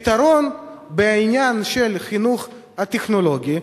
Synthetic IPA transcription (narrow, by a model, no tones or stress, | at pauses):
t̪aɾo̞nbeainjanʃelχinuχ | hat̪eχnolo̞ɡʲi